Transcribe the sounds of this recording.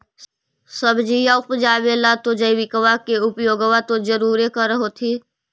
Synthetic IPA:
səbd͡ʒijaʊpd͡ʒaːʋelat̪od͡ʒəjʋɪkəʋakeʊpjoːɡʋat̪od͡ʒəɾuːɾekəɾəɦot̪ʰiː

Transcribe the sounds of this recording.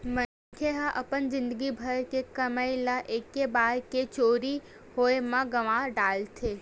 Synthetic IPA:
mə | kʰeɦaʔəpənzɪ̃nd̪əɡibʱəɾkekəmajlaʔekːebaɾket͡ʃoɾi | hojmãɡəʋãɖaltʰe

